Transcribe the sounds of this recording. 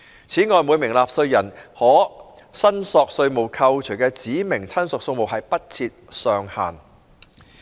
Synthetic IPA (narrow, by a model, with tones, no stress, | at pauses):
t͡sʰiː˨˥ŋɔː˨˧jmuː˨˧jmɪ˨˩ŋlaː˨p̚sɵ˧ɥjɐ˨˩nhɔː˨˥ | sɐ˥nsɔː˨k̚sɵ˧ɥmo˨˩wkʰɐ˧wt͡ʃʰɵ˨˩ɥkɛː˧t͡siː˨˥mɪ˨˩ŋt͡sʰɐ˥nsʊ˨˩k̚sʊ˧ŋmo˨wɦɐ˨jpɐ˥t̚t͡sʰiː˧t̚sœː˨ŋha̰ː˨˩n